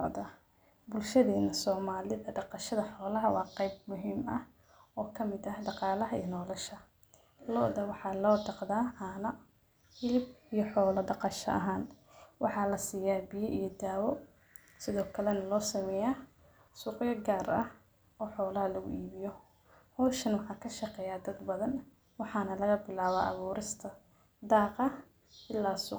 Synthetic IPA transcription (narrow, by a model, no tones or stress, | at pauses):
d̪ɐ | bʊlʃɐðɛːnɐsɔːmaːlɪðɐɖɑqɑʃɐðɐħɔːlɐɦɐwɑːqɛjb̚mʊɦiːmɐh | ɔːkʰɐmɪd̪ɐhɖɑqɑːlɐɦɐḭjɐnɔːlɐʃɐ | lɔːʔðɐwɑħɑːlɔːd̪ʰɑqd̪aːʔaːnɐ | hɪlɪbijɔħɔːlɐɖɑqɑʃɐ̰ʔɐ̰ɦaːnwʔɑħɑːlɐsiːjaːbijɔʔijɞd̪aːwɔ | sɪðɔːkʰɐlɛnɐlɔːsɐmɛːjaː | sʊːqjɔɡaːɾɐh | ɔːħɔːlɐɦɐlɐɣʊ̰ʔiːβɪjɔ | hɔːʃɐnwɑħɑːkʰɐʃɐqɛːjaːd̪ɐd̪bɐðɐn | wɑħɑːnɐlɐɣɐbɪlaːβa̰ːʔɐ̰βuːɾɪst̪ʰɐ | d̪aːqɐ | ɪlːaːsʊ